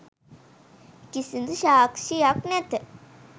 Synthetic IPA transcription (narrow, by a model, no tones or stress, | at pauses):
kisind̪uʃaːkʃijaknɛt̪ə